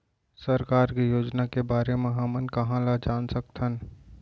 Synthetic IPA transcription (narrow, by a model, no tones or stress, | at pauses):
səɾkaːɾkejoːd͡ʒnakebaːɾemẽɦɐmənkɐɦãlad͡ʒaːnsək̚t̪ɦən